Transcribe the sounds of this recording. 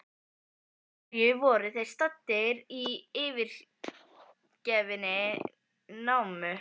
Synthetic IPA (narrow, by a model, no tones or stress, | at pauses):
ʏvɔːɾɪθejɾ̥st̪at̪ːɪɾiɪːvɪɾ̥ | cɛvɪnɪ | nawmʏ